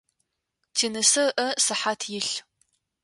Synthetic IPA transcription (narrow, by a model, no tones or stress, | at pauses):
tʰeːnɨsɐrʔɐsɨħaːtʰjɪɬ